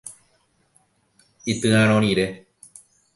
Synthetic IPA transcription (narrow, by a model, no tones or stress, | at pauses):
it̪ɨãɾ̃õɾ̃iɾe̞